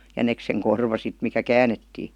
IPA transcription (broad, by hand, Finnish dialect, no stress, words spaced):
jænekseŋ korʋɑ sit mikæ kæːnetːiː